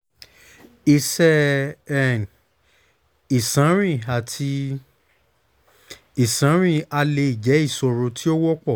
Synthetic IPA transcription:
i˧sɛ˦ɛ˦˨n | i˨sã˨˦ɾ̃ĩ˦˨a˨tʰi˧ | i˨sã˨˦ɾ̃ĩ˦˨a˧le˧i˨d͡ʒɛ˨˦i˦˨so˧ɾo˨˧tʰi˦o˦wɔ˦k͡pɔ˦˨

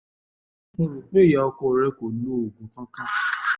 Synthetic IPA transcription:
ɾu˨k͡pe˦˨ja˨˦ɔ˦kɔ˦˨ɾɛ˦ko˨n˦o˦o˨ɡũ˨˦kã˦kã˦

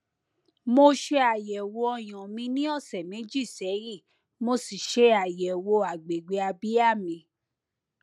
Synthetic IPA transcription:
mo˧ʃe˧a˨jɛ˨wo˧ɔ˧j̃ɔ̃˨mĩ˧nĩ˦ɔ˦˨sɛ˨mẽ˨˦d͡ʒi˦˨sɛ˨˦ji˦˨ | mo˧si˨ʃe˧a˨jɛ˨wo˧a˨ɡ͡be˨ɡ͡be˧a˧bi˦a˦˨mĩ˧

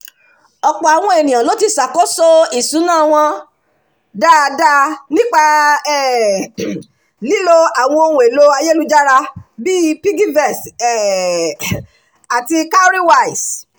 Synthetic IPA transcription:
ɔ˧k͡pɔ˨a˨w̃ɔ̃˧e˨nĩ˨j̃ã˨lo˨˦ti˧sa˨kɔ˨˦sɔ˦i˨sũ˨˦nãː˦˨w̃ɔ̃˧ | da˦˧da˦nĩ˦k͡pa˧ɛ˦˨ | li˨˦lo˧a˨w̃ɔ̃˧o˧wũ˨e˨lo˦a˧je˦lu˦d͡ʒa˦ɾa˧bi˦pi˦ɡi˦vɛ˦˨sɛ˦˨ | a˨ti˧ka˦ɾi˦wa˦˨i˨s

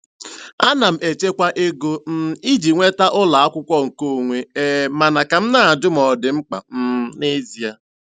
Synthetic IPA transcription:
a˦na˨m̩˨e˨t͡ʃe˦kʷa˦ʔe˦ɡo˦m̩˦i˦d͡ʒi˨ŋʷe˦ta˦ʔʊ˦la˨a˦kʷʊ˦kʷɔ˦ŋ̩˨ko˦˨ŋʷe˦eː˦ma˨na˨ka˨m̩˦na˨a˨dʊ˦m̩˨ɔ˨dɪ˨ŋ͡m̩˦k͡pa̰˨m̩˦ne˦zi˨a˦

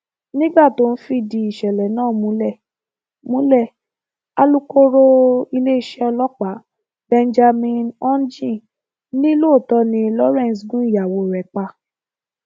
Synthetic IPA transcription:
nĩ˦ɡ͡ba˦˨to˧˦n̩˦fi˧˦di˧i˨ʃɛ˨lɛ˨nãː˦˨˦mũ˨˦lɛ˦˨ | mũ˦lɛ˦˨ | a˧lu˦ko˦ɾo˧i˧le˦i˦ʃɛ˦ɔ˧lɔ˦k͡pa˨˦ | b̥ɛ˧nd͡ʒa˧mĩ˧nɔ̃˦n˦d͡ʒĩ˦˨ | nĩ˦lo˦o˦˨tɔ˧˦nĩ˧lɔ˦ɾɛ̃˦˨n˨sɡũ˦i˦˨ja˨wo˧˨ɾɛ˨k͡pa˧

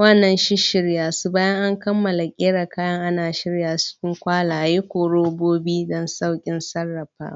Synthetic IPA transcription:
wɐ˦nːɐ˨nʃɪ˦ʃɪ˦ɽjaː˨su˦baː˦jɐ˦ŋʔa˦ŋkɐ˦mːɐ˨la˨kʲʼeː˦ɽa˨kaː˦jɐ˦ŋʔa˦naː˨ʃɪ˦ɽjaː˨t͡ʃɪ̥˦kʲɪ˦ŋkʷaː˦laː˨ʔa˨ji˦kʷoː˨ɽoː˦boː˦biː˦dɔ˦nsa˦˨wkʲʼɪ˦nsɐ˦rːɐ˨ɸa̰ː˦

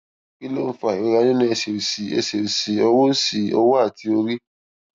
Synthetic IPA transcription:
ki˦lo˦fa˨o˨˧˨ɾa˧nĩ˦nĩ˦e˧˨se˨ɾi˨si˨e˧se˨ɾi˨si˨ɔ˧wo˦si˨ɔ̰˧wo˦a˦˨ti˧o˧ɾi˦

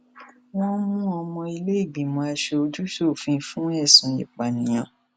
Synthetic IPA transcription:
w̃ɔ̃˦mũ˦ɔ˧mɔ̃˧i˧le˦i˦˨bĩ˨mɔ̃˧a˧ʃe˧o˧d͡ʒu˦ʃo˦˨fĩ˧˦fũ˦ɛ˦˨sũ˨˦jḭ˨k͡pa˨nĩ˨j̃ã˨

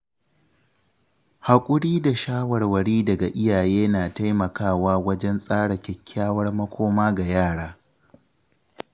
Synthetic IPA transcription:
ha˨kʷʼʊ˦ɽiː˦da˨ʃaː˦wɐ˨rwɐ˨ɽiː˦dɐ˨ɡa˨ʔɪ˦jaː˨jeː˦naː˨ta˦jmɐ˨kaː˦˨waː˦wɐ˦d͡ʒɛ˦nsʼaː˦ɽɐ˨kʲɛ˨kʲʰːaː˦wɐ˦rmɐ˦kʷoː˦maː˦ɡa˨jaː˦˨ɽaː˦

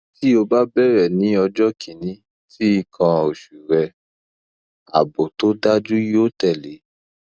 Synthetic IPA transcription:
ti˦o˧ba˦bɛ˦ɾɛ˨nĩ˨˦ɔ˧d͡ʒɔ˦kʰi˨˦nĩ˨˦ | ti˦i˦˧kʰã˧o˨ʃu˨ɾɛ˧ | a̰˨bo˨to˨˦da˦d͡ʒu˦jo˦tɛ˦˨le˨˦

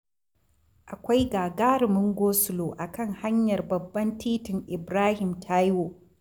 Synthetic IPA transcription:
ʔa˨kʷa˦jɡaː˨ɡaː˦ɾɪ˨mʊ˦ŋɡʷoː˦sʊ˨loː˨ʔa˨kɐ˦˨ŋha˦ɲjɐ˨rbɐ˨bːɐ˦ntiː˦tɪ˨ŋʔɪ˨bɾaː˦hɪ˨mtʰaː˦jwoː˨

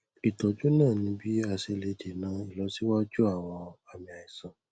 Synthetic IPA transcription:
i˨tɔ˨d͡ʒu˦nãː˦˨nĩ˧˦bi˦a˧˨se˧le˧de˨nã˧˦i˨lɔ˨˦si˦wa˦d͡ʒu˦a˦˨w̃ɔ̃˧a˨mĩ˨a˨i˨sã˨

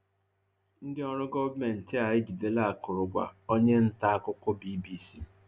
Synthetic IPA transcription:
n̩˦dɪ˦ɔ˦ɾʊ˦ɡɔ˦vme˨n̩˨tɪ˦a˨ɪ˦d͡ʒi˨de˨la˦a˨kʊ˨ɾʊ˨ɡʷa̰˨o˦ɲe˦n̩˦ta˦a˦kʊ˦kʷʊ˦bi˦bi˦˨si˨

